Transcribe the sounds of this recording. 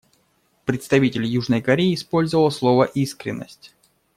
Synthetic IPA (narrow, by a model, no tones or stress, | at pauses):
pɾʲɪt̪st̪ɐvʲitʲɪlʲjuʐnəjkɐɾʲeɪːspo̞lʲzəvəlˠslˠo̞vəʔiskɾʲɪ̰nːə̰sʲtʲ